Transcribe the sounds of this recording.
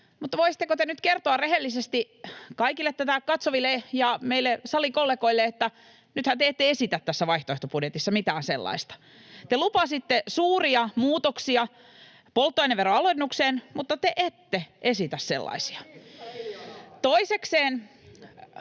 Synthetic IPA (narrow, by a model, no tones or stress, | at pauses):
mut̪ːɑʋoisit̪ːekot̪enyt̪kert̪oɑrreɦelːisest̪i | kɑikilːet̪ːæt̪ækɑt̪soʋilːejɑmeilːesɑlikolːekoilːeet̪ːæ | nyt̪hænt̪eet̪ːeesit̪æt̪t̪ːæsːæʋɑiht̪oeht̪opudjet̪isːɑmit̪æːnsḛlːɑ̰ist̪ɑ̥ | t̪elupɑsit̪ːesuːriɑmuːt̪oksiɑ | polt̪ːoeneʋeroɑlonːukseːnmut̪ːɑt̪eʔet̪ːeʔesit̪æssḛlːɑ̰isi̥ɑ | t̪oisekseːn